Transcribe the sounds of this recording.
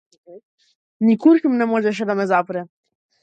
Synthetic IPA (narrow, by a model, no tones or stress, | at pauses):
nikuɾkmnɛmɔʒɛʃ̬ed̪amɛzapɾɛ